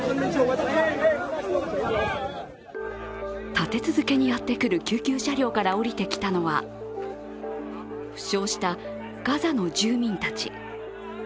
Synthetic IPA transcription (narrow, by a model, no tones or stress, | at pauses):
t̪at̪e̞t͡sɨzɨke̞ɲ̟ijat̪ːe̞kɯ̟ɾɯ̟kʲɨːkʲɨːɕaɾʲo̞ːkaɾao̞ɾʲit̪e̞kʲi̥t̪ano̞βa | ɸɯ̟̥ɕo̞ːɕi̥t̪a | ɡ̥azano̞d͡ʑɨːmʲĩnt̪at͡ɕḭ